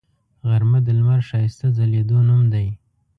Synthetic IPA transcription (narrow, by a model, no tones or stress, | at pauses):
ɣaɾmad̪əlmaɾʃɑjɪst̪azaled̪onumd̪aj